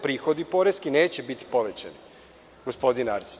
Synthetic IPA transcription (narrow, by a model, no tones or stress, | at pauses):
pɾiːxo̞d̪ipo̞ɾeskineːt͡ɕebit̪i̥poʋet͡ɕa̰ni | ɡospo̞d̪inaɾs